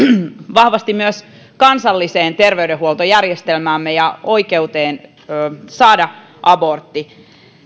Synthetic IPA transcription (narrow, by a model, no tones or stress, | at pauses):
ʋɑhʋɑst̪immyøs | kɑnsɑlːiseːnt̪erʋeydehuolt̪ojærjest̪elmæːmːejɑo̞ikeut̪eːn | øːsɑːdɑ | ʔɑbort̪ːi